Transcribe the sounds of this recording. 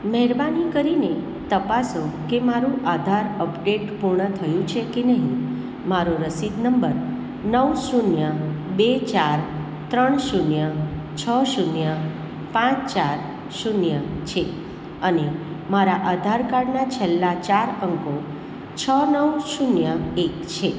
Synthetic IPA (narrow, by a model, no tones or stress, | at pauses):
mɛɦɛɾbanikəɾine | t̪əpasokemaɾũʔad̪ʱaɾəpɖeʈpuɾɳət̪ʰəjũt͡ʃʰekenəɦĩ | maɾoɾəsid̪nəmbəɾ | nəwʃunjəbet͡ʃaɾ | t̪ɾəɳʃunjət͡ʃʰəʃunjə | pãt͡ʃt͡ʃaɾ | ʃunjət͡ʃʰe | əne | maɾaʔad̪ʱaɾkaɽnat͡ʃʰelːat͡ʃaɾəŋko | t͡ʃʰənəwʃunjəekt͡ʃʰe